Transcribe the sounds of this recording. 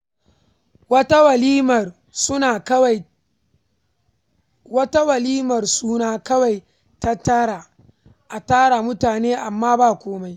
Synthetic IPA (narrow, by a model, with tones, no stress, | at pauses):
wɐ˦ta˦wɐ˨li˦mɐ˨r | sʊ˦na˨kwa˨ | wɐ˦ta˦wɐ˨liː˦mɐ˨rsuː˦naː˦kɐ˦wa˨j | ta˦tɐ˦ɽa˨ | ʔa˨taː˦ɽa˨mʊ˦taː˨neː˦ʔa˨mːaː˦baː˦˨kʷoː˦ma˦j